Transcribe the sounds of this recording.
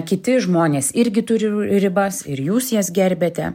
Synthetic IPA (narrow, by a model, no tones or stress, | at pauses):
kʲɪt̪ʲɪʒmoːnʲeːsɪɾʲɡʲɪt̪ʊɾʲɪɾʲɪbɐsɪɾjuːsjiɛsɡʲɛɾʲbʲeːt̪ʲɛ̰